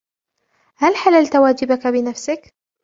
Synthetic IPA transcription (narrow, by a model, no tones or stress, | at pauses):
halħalalt̪waːd͡ʒɪbakabɪnafsak